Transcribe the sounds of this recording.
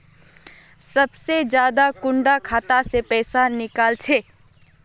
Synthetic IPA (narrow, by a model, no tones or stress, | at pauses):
sɐbsed͡ʒjaːd̪akʊ̃ɳɖakʰaːt̪asepɛːsanɪkaːlt͡ʃʰeː